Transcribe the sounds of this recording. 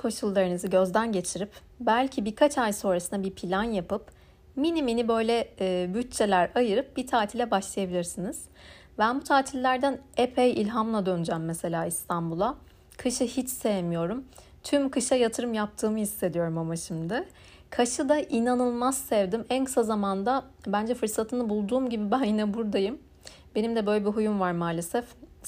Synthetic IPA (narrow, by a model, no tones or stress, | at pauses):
kʰo̞ʃulˠːaɾɯnɯzɯɟø̞zd̪ænɟe̞t͡ʃʰiɾip | bælʲcʰibiɾkʰat͡ʃajso̞ːɾasɯnd̪abiɾpʰilʲanjapɯp | miniminibø̞jlʲɛːbyt̚t͡ʃʰːe̞lʲæɾajɯɾɯp̚b̥it̪ʰaːt̪ʰilʲɛbaʃlˠajabilʲiɾsiniz̥ | bænbut̪ʰaːt̪ʰilʲːæɾd̪ænepʰejilʲɦamlˠad̪ø̞nyd͡ʒæmːese̞lʲaːist̪ʰambulˠa | kʰɯʃɯhit͡ʃsejemijo̞ɾum | t̪ʰymkʰɯʃajat̪ʰɯɾɯmjap̚t̪ʰɯːmɯhisːe̞d̪ijo̞ɾumamaʃimd̪ɪ | kʰaʃɯd̪aʔinanɯlˠmazsevd̪imænkʰɯ̥sazamand̪abænd͡ʒɛfɯɾsat̪ʰɯnɯbulˠd̪uːmɟibibænjinɛbuɾd̪ajɯm | be̞nimd̪ɛbø̞jlʲebiɦujumvaɾmaːlʲesɛf